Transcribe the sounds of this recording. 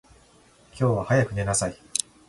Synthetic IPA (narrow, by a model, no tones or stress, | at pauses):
kʲo̞ːβahajakɯ̟ne̞nasai